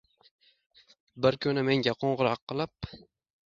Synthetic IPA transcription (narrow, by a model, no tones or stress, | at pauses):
bɪɾkʰɵnɪme̞ŋɡʲaqʰoɴʁʊɾɑqʰːɨlˠɪp̚